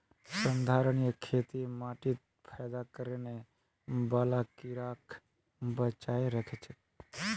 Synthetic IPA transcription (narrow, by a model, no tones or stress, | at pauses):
sənd̪ʱaɾənijəkʰet̪imaʈit̪̚ | pʰɛjd̪akəɾene | balakiɾakʰ | bət͡ʃaeɾəkʰɛt͡ʃʰɛ